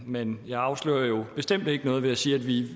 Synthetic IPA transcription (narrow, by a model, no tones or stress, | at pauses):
menjɑ̈ɪɑ̈ʊslø̰ːɐjo̝b̥e̝sd̥em̰d̥e̝ɡ̥ənɔ̽ːðˠʋe̝æsiːæd̥ʋi